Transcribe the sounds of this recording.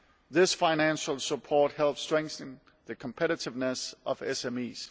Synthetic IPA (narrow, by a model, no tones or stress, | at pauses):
ðɪsfaɪnæ̃nʃəl̩ˠsəpʰɔːt̚hɛlˠpstɹ̥ɛ̃ŋθɪ̃ŋ | ðəkʰə̃mpʰɛɾɨɾɪvnəsʔʌvɛsɛmiːs